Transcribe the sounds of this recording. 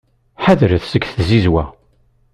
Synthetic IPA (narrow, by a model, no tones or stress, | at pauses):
ħaðɾəθsəkθzizwæ